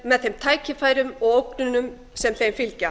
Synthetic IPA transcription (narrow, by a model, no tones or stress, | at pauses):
mɛðθɛmt̪ʰaːjcɪfaːjɾʏmɔɣowknʏnʏm | sɛmθejnfɪlca